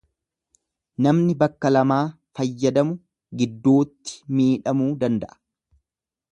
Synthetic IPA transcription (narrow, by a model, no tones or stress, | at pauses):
nɐmnɪbɐkːɐlɐmaːfɐjːɐd̪ɐmʊ | ɡɪd̪ːo̞ːt̪ːɪ̥miːᶑɐmuːd̪ɐnd̪ɐʔɐ̥